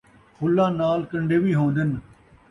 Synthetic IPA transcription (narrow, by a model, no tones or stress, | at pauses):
xʰʊlːãːnaːlkə̃ɳɖeːʋiːɦõːnd̪ɪn